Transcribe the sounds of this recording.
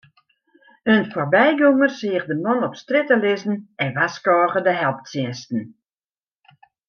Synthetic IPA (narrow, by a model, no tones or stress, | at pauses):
ənfɔrbɛjɡoŋərsɪəxdəmɔnɔpstrɪtəlɪzn̩ɛnʋaskɔːɣədəɦɛlˠp̚t͡sjɪnstn̩